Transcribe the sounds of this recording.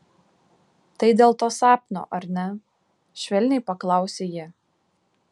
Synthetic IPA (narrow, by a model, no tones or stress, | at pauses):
t̪ɐɪd̪ʲeːlˠt̪oːsɑːpʲnʲo̰ːʔɐɾʲnʲɛ | ʃʲʋʲɛlʲnʲɛɪpɐklˠɐˑʊsʲejɪ